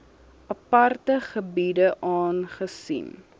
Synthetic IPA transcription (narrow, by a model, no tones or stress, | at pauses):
ʔɐpɐrtəχəbidəʔɑːnχəsḭn